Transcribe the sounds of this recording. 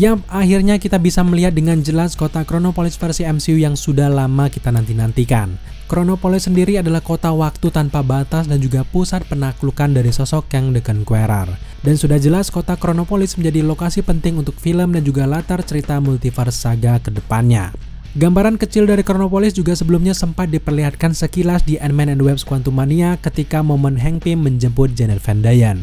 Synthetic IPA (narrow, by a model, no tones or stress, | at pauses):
jaaɦirɲakit̪abisaməliɦat̪̚dəŋand͡ʒəlaskot̪akɾonopolɪsfərsiɛmsiujaŋsudahlamakit̪anant̪inant̪ika̰n | kɾonopolɪsːəndiɾiadalahkot̪awak̚t̪ut̪anpabat̪as̬dand͡ʒuɡapusat̪̚pənaklukandaɾisɔsɔkjaŋdəkənkweɾa̰r | dansudahd͡ʒəlaskot̪akɾonopolɪsməɲd͡ʒadilokasipənt̪ɪŋunt̪ʊk̚filəmdand͡ʒuɡalat̪art͡ʃəɾit̪amult̪ifərsaɡakədəpanɲa̰ | ɡambaɾankət͡ʃɪldaɾikɾonopolɪsd͡ʒuɡasəbəlumɲasəmpat̪̚dipərliɦat̪̚kansəkilasdiʔɛnmɛnɛnwɛp̚skuwant̪umaniakət̪ikamomənɦɛŋpɪmːəɲd͡ʒəmpʊt̪̚d͡ʒɛnɛt̪fɛndajan